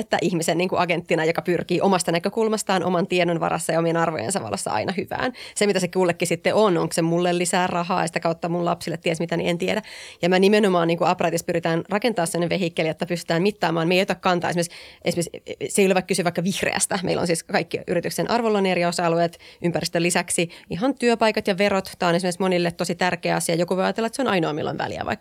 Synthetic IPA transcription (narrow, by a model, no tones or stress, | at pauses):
et̪ːæʔihmisenniːŋkuʔɑɡent̪ːinɑjokɑpyrkiːʔomɑst̪ɑnækøkulmɑst̪ɑːnʔo̰mɑnt̪ienonʋɑ̰ɾɑ̰sːɑjɑomienɑrʋo̰jḛnsɑʋɑ̰lːesːɑ̰ɑ̰inʔɑhyʋæ̰ːnsemit̪æsekuːlːekːisit̪ːeʔonoŋksemulːelːisæːrɑɦɑ̰ːḛsit̪ækɑut̪ːɑmullɑpsilːet̪t̪ːiesmit̪ænḭent̪iedæjɑmænimenomɑːniːŋkuɑprɑt̪ispyɾit̪æːnrɑkent̪ɑːssemnːeʋeɦikːelijot̪ːɑpyst̪y̥t̪æːmit̪ːɑːmɑːnmeijot̪ækkɑnt̪ɑ̰ːesimesʔḛsimesseijoleʋɑikysyʋɑikːɑʋihrḛæ̰st̪æmḛilo̰nsiːskɑikːiʔyɾit̪yksenʔɑrʋolːoneriosɑɑlueːt̪ʔympærist̪ølːisæksiiɦɑnt̪yøpɑikɑt̪jɑʋerot̪t̪ɑːonesimesmonilːet̪t̪ːosit̪ærkeːɑsiɑjokuʋojɑjɑt̪elːɑet̪seonɑinoɑmḭlːo̰nʋæ̰lḭæ̰ʋɑ̰ikː